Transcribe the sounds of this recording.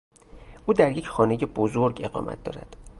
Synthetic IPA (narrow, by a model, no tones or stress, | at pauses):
ʔuːd̪æɾje̞cʰxɒːne̞jebozoɾɟe̞ɢɒ̰ːmʔæ̰t̪̚d̪ɒ̰ːɾæ̰d̪̥